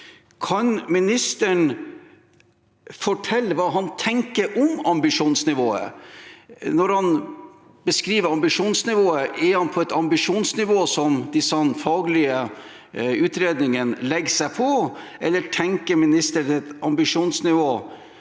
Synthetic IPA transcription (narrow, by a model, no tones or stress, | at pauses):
kʰɑnmɪnɪst̪əɳ | fɔʈʰɛlːəʋɑːɦɑnt̪ʰɛŋkəɾʔɔmɑmbɪʂuːnsnɪʋoːə̰ | nɔɾhɑn | bəskɾiːʋəɾɑmbɪʂuːnsnɪʋoːəʔɛhɑnpʰɔɛt̪ɑmbɪʂuːnsnɪʋoːsɔmd̪ɪsɑnfɑːɡlɪə | ʉːt̪ɾeːd̪nɪŋənlɛɡsæɪpʰɔʔɛlːəʈʰɛŋkəɾmɪnɪst̪əɳɛt̪ɑmbɪʂuːnsnɪʋoː